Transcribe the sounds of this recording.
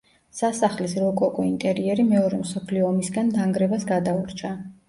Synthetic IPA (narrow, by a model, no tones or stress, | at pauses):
sasaχlisɾɔkʼɔkʼɔint̪ʼɛɾiɛɾimɛɔɾɛmsɔpʰliɔːmisɡand̪aŋɡɾɛbasɡad̪auɾt͡ʃʰa